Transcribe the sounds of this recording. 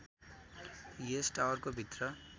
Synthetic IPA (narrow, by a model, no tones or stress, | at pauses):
jesʈawʌrkobʱit̪rʌ